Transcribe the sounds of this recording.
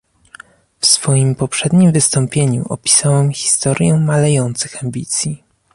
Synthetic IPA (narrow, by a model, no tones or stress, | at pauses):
fsfɔjimpɔpʂɛd̪ɲimvɘst̪ɔmpʲjeɲṵʔɔ̰pʲi̥sawɛmxʲi̥st̪ɔɾʲjɛmalɛjɔnt̪sɘxambʲit̪sʲji